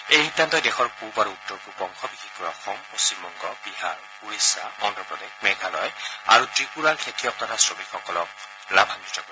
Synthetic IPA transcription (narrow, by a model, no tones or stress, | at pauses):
ejhidʱantɔjdɛxɔɹkubaɹuːdɔɹbupɔŋkʰɔbikʰikɔɹɔxɔŋpost͡ɕimːɔŋɡɔbiɦaɹ | uɹisaɔndɔpɹɔdekmɛɡʱalɔja̰ɹutɹiɡunalkʰetʰijɔk̚tɔtʰasɹomikxɔkɔlɔk̚ | labʱamistʰɔkɔ